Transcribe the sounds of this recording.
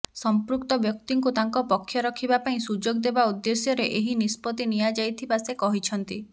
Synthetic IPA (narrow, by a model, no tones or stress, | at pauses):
sɔmpɾukt̪ɔbjɔk̚t̪iŋkut̪aŋkɔpɔkʰjɔɾɔkʰibapaĩsud͡ʒoɡd̪ebaud̪ːesjɔɾeʔeɦinispɔt̪inijad͡ʒajt̪ʰibasekɔɦit͡ʃʰɔnt̪i